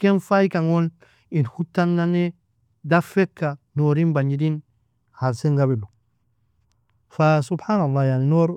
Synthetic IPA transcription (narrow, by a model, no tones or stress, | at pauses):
kenfajkaŋon | inhutːanːane | dafekːanoɾinbaɲidin | haɾseŋɡaβilu | fasubħaːnalːajaninoɾ